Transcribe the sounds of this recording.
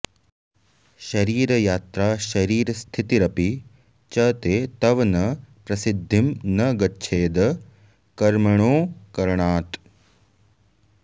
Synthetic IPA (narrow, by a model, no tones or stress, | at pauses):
ʃɐɾiːɾɐjaːt̪ɾaːʃɐɾiːɾɐst̪ʰit̪iɾɐpi | t͡ʃɐːt̪eːt̪ɐʋɐnɐpɾɐsid̪ʱːimnɐɡɐtːʃʰeːd̪ɐ | kɐɾmɐɳ̃oːkɐɾɳaːt̪